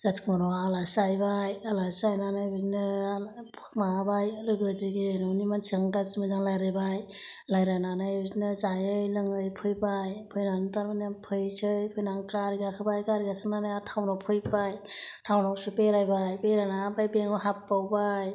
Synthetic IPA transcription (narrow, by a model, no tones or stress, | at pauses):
z̥at͡ʃkɔnɔalasajbajalasajnanajbiznɯ | mabajalɯɡɯziɡenɔwnimansɯŋdazmɯzaŋlajɾajbaj | lajɾananajbiznɯzajɯjlɯŋɯjpʰɯjbajpʰɯjnantaɾmanaŋpʰɯjsɯjpʰɯjnaŋkaɾiɡakʰɯbajkaɾiɡakʰɯnanajatʰawnɔpʰɯjpajtʰawnɔksupeɾajbajpeɾanabajbeŋɔɦapːawbaj